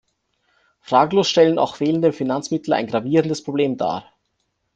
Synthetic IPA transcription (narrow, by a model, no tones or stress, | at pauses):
fʁ̥aːɡəloːsʃtɛləna̰ʊxv̥eːləndəfinant͡smɪtl̩a̰ɪnɡʁaviːʁəndəspʁ̥obleːmda̰ː